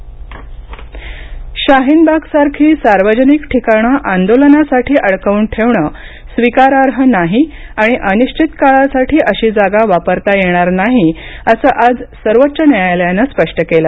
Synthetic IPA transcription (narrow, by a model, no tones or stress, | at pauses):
ɕaɦinbʱaɡsaɾkʰiːsaɾʋəd͡ʑənikʈʰikaɳ̃aʔand̪olənasaʈʰiːʔəɭkəʋuːnʈʰeʋɳəː | sʋikaɾaɾɦənaɦiaɽ̃iʔəniɕt͡ɕʰit̪kaɭasaʈʰiːʔəɕiːd͡zaɡaʋapəɾt̪ajeɽ̃aɾnaɦiəsəːʔad͡zsəɾʋət̪ːɕənjajaljanaspəʂʈəkela